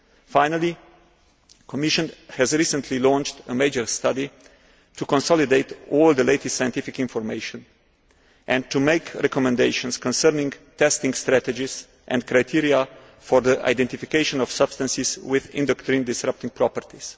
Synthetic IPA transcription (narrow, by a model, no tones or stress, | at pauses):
fãɪnalˠi | kʰɔmɪʃə̃nhɛzɹisə̃ntʰlilɔ̃nt͡ʃtəmeɪd͡ʒəɹst̪adi | tʰukɔ̃nsɔlideɪtɔːld̪əleɪtisajə̃nt̪ifɪkɪ̃nfɔɹmeɪʃɔ̃n | ʔɛ̃ntumeɪkʰɹʔɛkɔmɛ̃ndeɪʃɔ̃nskɔ̃nsɛɾnɪ̃ŋt̪ɛstɪ̃ŋɡst̪ɾæt̪ɛd͡ʒiz | ʔɛ̃ndkɾajt̪ʰiɾia | fɔɾðiʔa̰jd̪ɛ̃nt̪ifikeɪʃə̃nɔfsʌb̥st̪ə̃nsizwɪðɪ̰̃ndɔkt̪ɹĩndɪsɹʌp̚tɪ̃ŋ̚pʰɹɔpəɾt̪is